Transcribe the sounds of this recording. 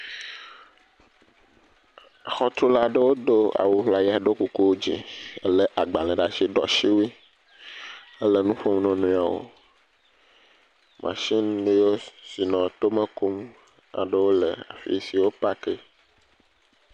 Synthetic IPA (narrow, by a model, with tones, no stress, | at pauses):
xɔ˦t̪ɾu˦la˦ɖə˦wo˦d̪o˦a̰˨wu˨ɦla˨ji˦a˨ɖo˦ku˨ku˦wo˦d͡ʑḭ˨ə˦le˦ʔa˨ɡ͡ba˨lɛ̃˨ɖa˨t͡ʃi˦ɖɔ̰˨ʃi˦wu˦i˦ | ə˦lə˦nũ˦ɸo˦m̃˦nɔ̃˦nũ˦a˨wo̰˨ | mʔã̰˨ʃi˦nɖũ˦jo˦si˨nɔ̃˨t̪o˦mə̃˦ku˦m | a̰˨ɖə˦wo˦lə̰˨a̰˨fḭ˦si˨wo˦pa˦ke˦